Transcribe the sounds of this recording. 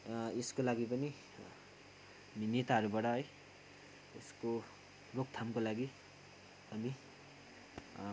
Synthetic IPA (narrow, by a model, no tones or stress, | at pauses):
eskolaɡipʌni | minet̪aɦʌɾubaʈʌɦʌj | esko | rok̚t̪ʰamkolaɡi | ʌmi